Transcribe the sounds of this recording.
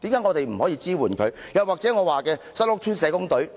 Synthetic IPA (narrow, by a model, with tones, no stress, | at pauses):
t̪iː˨˥mkaː˧˥ŋɔː˨˧t̪e˨jm̩˨˩hɔː˨˥jiː˧t͡siː˥wuː˨˩nkʰɵ˨˧ɥjɐ˨waː˨k̚t͡sɛː˨˥ŋɔː˨˧waː˨kɛː˧sɐ˥t̚lʊ˥kt̪ʰyː˥nsɛː˨˧˥kʊ˥ŋt̪ɵ˨˥ɥ